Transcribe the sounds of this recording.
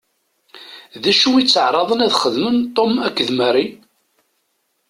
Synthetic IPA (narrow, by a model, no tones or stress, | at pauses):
ðæʃuit͡sːəʕɾˤɑðˤənæðχəðmənt̪ˤːomækːəðmæɾi